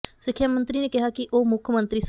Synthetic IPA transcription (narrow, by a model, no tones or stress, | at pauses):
sɪkʰːjaːmə̃nt̪ɾiːneːkɪɦaːkɪʔoːmʊkʰːəmə̃nt̪ɾiːs